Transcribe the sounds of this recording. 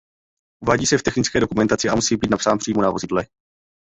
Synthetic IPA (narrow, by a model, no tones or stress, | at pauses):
ʔuvaːɟiːsɛft̪ɛxnɪt͡skɛːdo̞kumɛnt̪at͡sɪʔamusiːbiːt̪napsaːnpr̥iːmonavozɪdlɛ